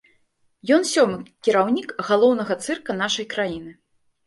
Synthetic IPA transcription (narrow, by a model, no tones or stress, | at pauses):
jɔnsʲɔmɨkʲiɾawnʲikɣalˠɔwnɐɣɐt̪sɨrkɐn̪aʂɐjkɾajinɨ